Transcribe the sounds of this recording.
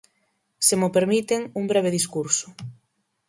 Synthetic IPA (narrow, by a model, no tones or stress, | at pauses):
semopeɾmit̪eŋuŋbɾɛβ̞eɪðiskuɾsʊ̥